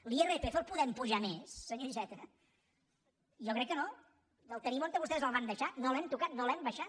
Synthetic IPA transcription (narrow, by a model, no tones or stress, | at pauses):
lierepefolˠpuðɛmpuʒamesːəɲoʒɛt̪ə | jɔkɾɛkːəno | əlˠt̪ənimonəβust̪ɛzəlˠβand̪əʃanolɛmt̪ukat̪̚nolɛmbəʃa